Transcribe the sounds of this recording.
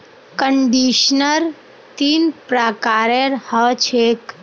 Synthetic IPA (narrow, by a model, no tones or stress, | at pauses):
kəɳɖiʃnəɾ | t̪iːnpɾakaɾeɾhət͡ʃʰek